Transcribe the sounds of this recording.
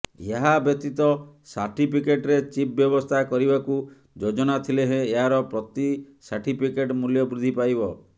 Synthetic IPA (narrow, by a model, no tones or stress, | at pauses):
eɦabjɔt̪it̪ɔsa̰ɾʈipʰikeʈɾet͡ʃip̚bjɔbɔst̪ʰakɔɾibaku | d͡ʒod͡ʒɔnat̪ʰileɦẽːɦaɾɔpɾɔt̪i | saɾʈipʰikeʈmuljɔbɾud̪ʱipajbɔ